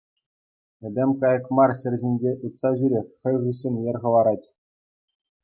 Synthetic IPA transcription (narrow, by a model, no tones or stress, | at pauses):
ɘ̆dʲemʲkɑjɤ̆kmɑrɕɘ̆rʲʑʲinʲd͡ʑʲeʔut̪sɑʑyɾʲexʲχʲɤ̆jʁɯɕːĕnʲjĕrʲʁɤ̆ʋˠɑɾɑtʲ